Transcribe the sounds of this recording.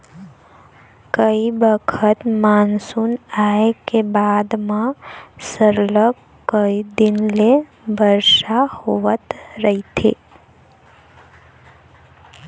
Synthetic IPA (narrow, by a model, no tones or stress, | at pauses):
kəibəkʰət̪mansunaekebad̪mãsəɾlək | kːəid̪ɪnle | bəɾʃahoʋət̪ɾəɦit̪ʰḛ